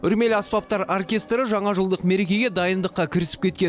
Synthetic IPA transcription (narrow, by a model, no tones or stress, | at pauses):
ʏɾme̞lɑspɑp̚t̪ɑɾorkʲe̞st̪ɾəʒɑɴɑʒəlˠd̪əqme̞ɾe̞kʲe̞jɡʲe̞d̪ɑjənd̪əqːɑkʲʰɪɾɪsɪ̥p̚kʲe̞t̪kʲe